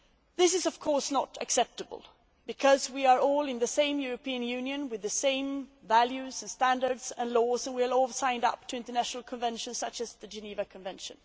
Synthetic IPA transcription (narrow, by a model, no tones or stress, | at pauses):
ðɪs̬ɨzʌv̥kʰɔɹsnəɾɨ̰ksɛp̚təbə̰l̩ˠ | bɨkʰʌzwiə˞ɔlˠɨ̃nðɨsẽɪ̃mjʊɹɨpiɨ̃njʉ̃njɨ̃nwɨðɨsẽɪ̃mvælˠjʉzɨ̃nstæ̃ndə˞dz̥ɨ̃nlɔzə̃nwiə˞ɔlˠsãɪ̃ndʌ̰p̚tʰɨɪ̃ntə˞næʃnl̩ˠkʰə̃ɱvɛ̃nʃɨ̃nsʌt͡ʃɨzðɨd͡ʒɨnivɨkʰə̃ɱvɛ̃nʃɨ̰̃n